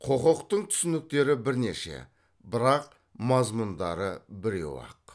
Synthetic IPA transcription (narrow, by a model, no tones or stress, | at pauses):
qʰo̞qəqt̪əɴt̪ʰʏ̥sɪnɪk̚t̪e̞ɾɪbɪɾne̞ʃe̞̰ | bɪɾɑq | mɑzmʊnd̪ɑɾəbɪɾḛwɑ̰q